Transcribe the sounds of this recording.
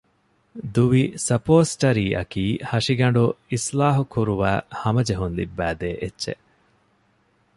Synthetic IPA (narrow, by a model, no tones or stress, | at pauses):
d̪uʋisɐpoːsʈɐɾiːʔɐ̰kiːhɐʂiɡɐɳ̆ɖuislaːɦukuɾuʋæːhɐmɐd͡ʒeɦunlḭbːæːd̪eːʔetːʃḛ